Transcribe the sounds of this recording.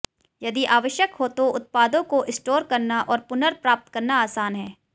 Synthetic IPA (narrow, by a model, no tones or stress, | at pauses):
jɐd̪iʔaːʋəʃjəkɦoːt̪oʊt̪̚paːd̪õkoʔɪsʈoːɾkɐɾnaʔɔːɾpʊnəɾpɾaːp̚t̪kɐɾnaaːsaːnɦɛː